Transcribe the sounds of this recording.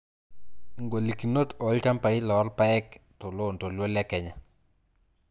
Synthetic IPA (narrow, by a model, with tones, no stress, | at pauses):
ŋɡo˨li˨ki˨no˦tɔ˨˦lka˦mpa˨ɪ˦lɔ˨ɔ˦ɾpa˦ɛ˦ktɔ˨lo˦˨nto˨lwo˦lɛ˦kɛ˦ɲa˨